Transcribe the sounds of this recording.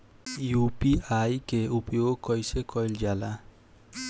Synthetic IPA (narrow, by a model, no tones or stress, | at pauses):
jupiajkeupjoɡkɔjsekʰɔjld͡ʒala